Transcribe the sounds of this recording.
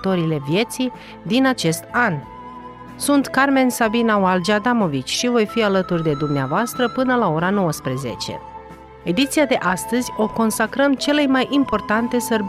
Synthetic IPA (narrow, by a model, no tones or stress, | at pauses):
t̪o̞ɾile̞vje̞t̪si | d̪inat͡ʃe̞st̪̚an | sunt̪karme̞nsabinawald͡ʒad̪amo̞vit͡ʃʲʃivo̞jfialət̪urʲd̪e̞d̪umneavoast̪ɾəpɨnəlao̞ɾano̞wəspɾeze̞̰t͡ʃe̞̰ | e̞d̪it̪sijad̪e̞ʔast̪əzʲo̞ko̞nsakɾəmt͡ʃe̞le̞jmajʔimpo̞rt̪ant̪e̞sərb